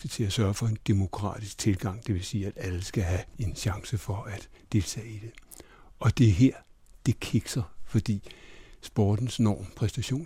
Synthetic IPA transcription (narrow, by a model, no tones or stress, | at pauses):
ɡ̥ət͡sʰe̝læsɶɐfɒ̽e̝nd̥emo̝kʰʁɑ̰̈ːd̥isɡ̥̚t͡sʰe̝lɡ̥ɑ̈ŋ̰d̥e̝ʋe̝siːæd̥æləsɡ̥æɦæe̝nɕɑ̈ŋsəfɒ̽æd̥ | d̥e̝lt͡sʰɛ̰ːid̥e̝ | ɒ̽d̥e̝ɐɦeɐ̰d̥e̝kʰeɡ̥sɐfɒ̽d̥ḭːsb̥ɒːd̥n̩snɒ̰ːmpʰʁɛsd̥æɕo̝̰ːn